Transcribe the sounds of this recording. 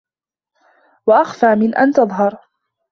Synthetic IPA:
waʔaxfaːmɪnʔa̰nt̪ɑðˤɦɑɾˤ

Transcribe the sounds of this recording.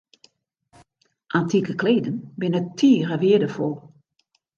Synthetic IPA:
ʔantʰikəkleːdənbɪnətʰiːɾəʋɪədəfɔlˠ

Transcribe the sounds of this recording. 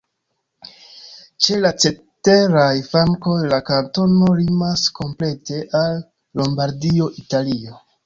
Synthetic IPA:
t͡ʃe̞lat͡se̞ | te̞ɾajfaŋko̞jlakanto̞no̞ɾimaskʰo̞mple̞te̞ʔalː | o̞mbaɾdio̞ʔitalio

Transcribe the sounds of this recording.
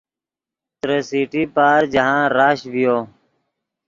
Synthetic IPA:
t̪ɾeːsiːʈiːpaːɾd͡ʒəɦãːɾaːʃʋɪjoː

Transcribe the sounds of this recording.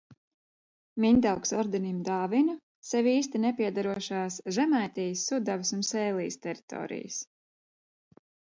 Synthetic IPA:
mind̪awksɔɾd̪enʲimd̪aːvina | sɛvʲiːs̬t̪inɛpʲiɛd̪aɾuɔʃaːsʒɛmajt̪ʲijsːud̪avsunsɛːlˠiːst̪ɛɾit̪ʰɔ̰ːɾḭjə̰s

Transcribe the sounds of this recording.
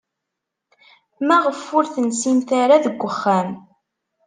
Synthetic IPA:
mæʁəfːʊɾθənsimθaɾaðəɡʷːəχːæm

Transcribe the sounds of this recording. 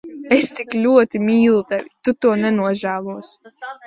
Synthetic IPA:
est̪iklʲuɔt̪imʲiːlˠt̪avit̪ut̪uɔnɛnuɔʒæːlˠuɔs

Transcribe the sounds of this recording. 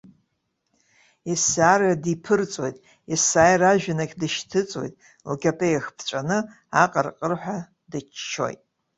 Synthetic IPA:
isaːradipʰɨrt͡sʼo̞jtʼ | isaːjraʒᶣanakʲʼdɨʃtʰɨt͡sʼwo̞̰jtʼ | lukʲapʼejxpʰt͡ʃʷʼanɨ | aqʼərqʼərħʷa | dɨt͡ʃʰt͡ʃʰo̰jtʼ

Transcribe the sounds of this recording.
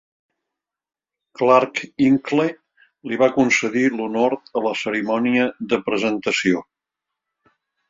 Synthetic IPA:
klaɾkiŋkle | liβakunsəðilunoɾt̪ələsəɾimɔniəðəpɾəzənt̪əsio

